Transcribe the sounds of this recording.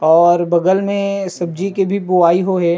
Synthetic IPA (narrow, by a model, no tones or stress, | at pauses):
ɔːɾbɐɡəlmẽsɐb̚d͡ʒikebʱiboaːiɦoɦɛː